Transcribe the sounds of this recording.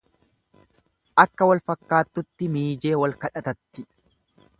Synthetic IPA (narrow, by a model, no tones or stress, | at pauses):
ʔɐkːɐwɐlfɐkːaːt̪ːʊt̪ːɪmiːd͡ʒe̞ːwɐlkɐᶑɐt̪ɐt̪ːɪ